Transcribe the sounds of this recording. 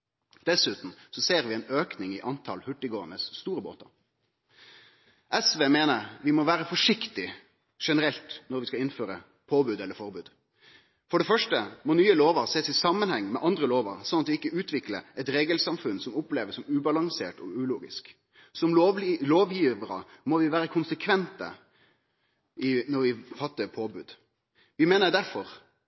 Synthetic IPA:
d̪̥ɛsʉːt̪n̩sɔseːʁʋɪɛnøːknɪŋɪʔɑnt̪ʰɑ̰lhʉʈːɪɡoːənəsːt̪uːɾəbo̰ːt̪ɑɾ | ʔɛsʋeːmeːnəʁʋɪmɔʋæːɾəfɔʂɪkt̪ɪ | ʂɛnəɾɛlt̪nɔɾʋɪskɑɪnføːɾə | pʰoːbʉːd̪ɛlːəɾfɔɾbʉːd̪ | fɔɖɛfœʂʈəmɔnyːəloːʋəɾseːsɪsɑmːənhɛŋːmɛʔɑnd̪ɾəloːʋə̰ɾsɔnːɑt̪ʋɪɪkːəʉːt̪ʰʋɪklə̰ɛt̪ɾeːɡəlsɑmfʉnsɔmʊpleːʋəsɔmʉːbɑlɑŋsḛːʈɔ̰ʉːluːɡɪ̰sk | sɔmloːʋjiːʋəɾə̰mɔʋɪʋæːɾəkʰʊnsəkʰʋɛnt̪ə̰ | ɪnɔɾʋɪfɑt̪ːəɾpʰoːbʉːd̪ | ʋɪmeːnəɾd̪æɾfɔɾ

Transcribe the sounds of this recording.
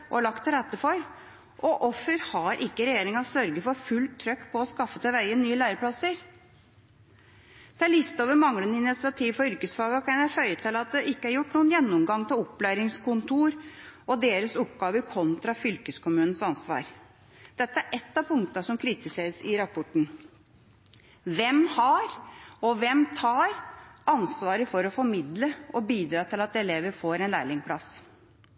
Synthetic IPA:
ʔɔɭɑkt̪ɾɛt̪ːəfɔɾ | ʔɔʔɔfːəɾhɑɾʔɪkːəɾɛjeːɾɪŋɑsœɾɡəfɔɾfʉlt̪ʰːɾœkːpʰɔɔskɑfːət̪ʰɪlʋæɪənːyːəlæːɾəpʰlɑsəɾ | d̪̥ɛæɭɪst̪oːʋəɾmɑŋlənəɪnɪt̪sɪɑt̪ʰiːʋfɔɾʏɾkəsfɑːɡɑkʰɑnjæfœʏət̪ʰɪlɑt̪̚d̪ɛʔɪkːəæɾjʊʈːnuːənjɛnːʊmɡɑŋːt̪ʰɪlɔpːlæːɾɪŋskʊnt̪uːɾɔd̪eːɾəsʊpɡɑːʋəɾkʰɔnt̪ɾɑfʏlkəskʊmʉːnn̩sɑnsʋɑ̰ːɾ | d̪̥ɛt̪ːəæɾʔɛt̪ːɑpʰʊŋkt̪ɑsɔmkʰɾɪt̪ɪseːɾəsɪɾɑpʰɔʈɳ̩ | ʋɛmhɑɾɔʋɛmt̪ʰɑːɾɑnsʋɑːɾəfɔɾɔfɔɾmɪd̪ləʔɔbiːd̪ɾɑːt̪ʰɪlɑt̪ɛleːʋəɾfoːɾɛnlæːɭɪŋpʰlɑs

